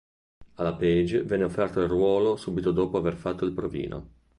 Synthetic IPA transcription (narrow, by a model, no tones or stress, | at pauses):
alapɛd͡ʒevɛnːeofːɛrt̪oilrwɔːlosuːbit̪od̪oːpoaverfat̪ːoilpɾovḭːnʔo̰